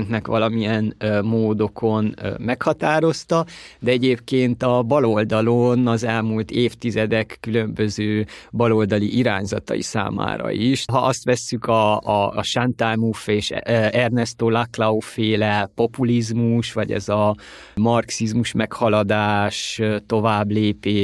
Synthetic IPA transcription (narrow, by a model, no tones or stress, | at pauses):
nk̪nɛkʋɒlɒmiɛnmoːd̪o̞kʰo̞nmɛkhɒt̪aːɾo̞st̪ɒd̪ɛɛɟeːpkeːnt̪ɒbɒlo̞ld̪ɒlonɒzɛlmuːlt̪eːft̪izɛd̪ɛkːylø̞mbø̞zøːbɒlo̞ld̪ɒliʔiɾa̰ːɲzɒt̪ɒ̰jḭsa̰ːma̰ːɾɒ̰iʃɦɒʔɒst̪ʋɛsːykɒʃant̪ajmufeːʃɛrnɛst̪oːlaklɒofeːlɛpo̞pulizmuʃʋɒɟɛ̰zɒ | mɒrksizmuʃmɛkhɒlɒd̪aːʃt̪o̞vaːbleːpeː